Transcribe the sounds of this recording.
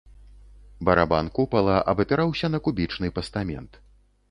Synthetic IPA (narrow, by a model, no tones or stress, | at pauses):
bɐɾaba̰nkupɐlˠɐʔɐ̰bɐpʲɛɾawsʲɐnɐkubʲit͡ʂnɨpɐst̪amʲɛ̰nt̪